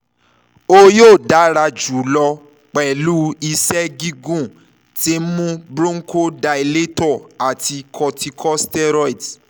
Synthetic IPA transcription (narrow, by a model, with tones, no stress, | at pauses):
o˦joː˦˨da˨˦ɾa˧d͡ʒu˨˦lɔ˧ | k͡pɛ˨lu˦i˧sɛ˦ɡi˦ɡũ˦˨ | ti˦mũ˦bɾũ˦ŋ̩˦ko˦da˧i˧le˦tɔ˦˨a˨ti˧kʰɔ˧tʰi˧kʰɔ˦stɛ˦ɾɔ˦i˨t